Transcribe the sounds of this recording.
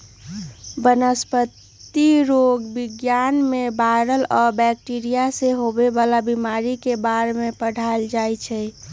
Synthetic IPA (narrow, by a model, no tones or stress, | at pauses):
bənəspət̪ | iɾoɡbiɡjanmebaɾəlɔɾbɛk̚ʈiɾijaseɦobebalabimaɾikebaɾmepəɽ̤aeld͡ʒajt͡ʃʰɛj